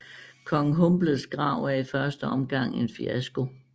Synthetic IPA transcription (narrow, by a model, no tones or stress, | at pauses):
kʰɒ̽ŋ̩ɦɔmb̥ləð̩ˠsɡ̥ʁɑ̈ʊ̰æɐifɶɐsd̥əɒ̽mɡ̥ɑ̈ŋ̰e̝nfiæsɡ̥o̝